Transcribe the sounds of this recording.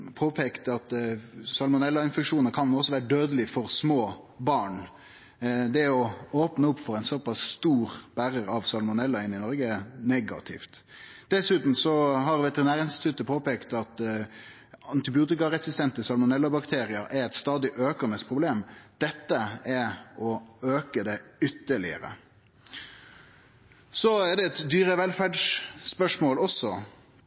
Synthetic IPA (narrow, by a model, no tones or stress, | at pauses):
pʰoːpʰɛkt̪ɑt̪sɑlmʊnɛlːɑɪnfɛkʂuːnəɾkʰɑnɔsːɔʋæːɾəɖ̪øːd̪əlɪfɔɾsmoː | bɑːɳ | d̪ɛɔoːpnəʊpːfɔʁɛɪnsɔpɑsst̪uːɾb̥æɾəɾɑʋsɑlmʊnɛlːɑɪnːɪnɔɾɡəɛnɛɡɑ̰t̪ʰɪ̰ft̪d̪̥ɛsʉːt̪n̩sɔɦɑɾʋɛt̪ɛʁɪnæːɾɪnst̪ɪ̥t̪ʰʉt̪əpʰoːpekt̪ɑt̪ | ɑnt̪ɪbɪuːt̪ɪkɑɾɛsɪst̪ɛnt̪əsɑlmʊnɛlːɑbɑkt̪ʰeːɾɪɑʔɛɾɛt̪st̪ɑːd̪ɪʔøːkənəspʰʁʊbleːmd̪̥ɛt̪ːəɛɔøːkəd̪ɛʏt̪ːəɭɪ̰ə̰ɾə̰ | sɔæʁd̪ɛɛt̪d̪yːɾəʋɛlfæɖʂːpœʂmoːlɔsɔ